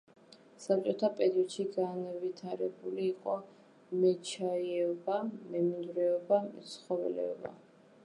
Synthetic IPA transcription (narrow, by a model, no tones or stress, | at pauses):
sap̚t͡ʃʼɔt̪ʰapʼɛɾiɔd̪ʃiɡanvit̪ʰaɾɛbuliːqʼɔ | mɛt͡ʃʰaiɛɔbamɛmind̪ɾɛɔbamɛ̰t̪sχɔvɛ̰lɛ̰ɔ̰ba̰